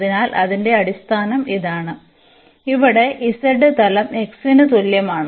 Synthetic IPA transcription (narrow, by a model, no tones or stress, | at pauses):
ðinaːlʔɐðinde̞ɐɽist̪ʰaːnɐmiðaːɳɨ | iʋiɽe̞ʔisɐɖɨt̪ɐlɐme̞ksinɨt̪uljɐmaːɳɨ